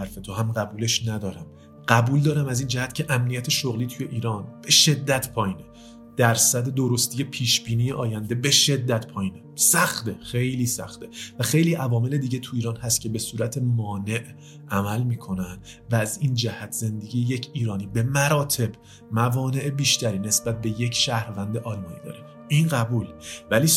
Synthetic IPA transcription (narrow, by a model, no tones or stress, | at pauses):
æɾfe̞t̪ʰoɦæmɢæbuːleʃnæd̪ɒːɾæm | ɢ̥æbuːld̪ɒːɾæmæziːnd͡ʒæhæt̪cʰe̞ʔæmnijæt̪ʰe̞ʃoɣliːt̪ʰujeʔiːɾɒːnb̥e̞ʃe̞d̪ːæt̪ʰpʰɒːjiːne | d̪̥æɾsæd̪e̞d̪oɾost̪ije̞pʰiːʃb̥iːniːjeʔɒːjænd̪e̞be̞ʃe̞d̪ːæt̪pʰɒːjiːnesæxt̪e̞xe̞jliːsæ̰xt̪e̞væxe̞jliːʔævɒːme̞le̞d̪iːɟet̪ʰuiːɾɒːnhæst̪cʰe̞be̞suːɾæt̪ʰe̞mɒːne̞ʔ | ʔæmælmiːkʰo̞nænd̪ | væːzind͡ʒæhæt̪ʰz̥e̞nd̪e̞ɟijejecʰiːɾɒːniːbe̞mæɾɒːt̪ʰe̞b | mævɒːne̞ʔebiːʃt̪æɾiːne̞sbæt̪̚ʰbejecʰʃæhɾvænd̪eʔɒːlmɒːnḭːd̪ɒ̰ːɾe | ʔinɢæbuːlvæliː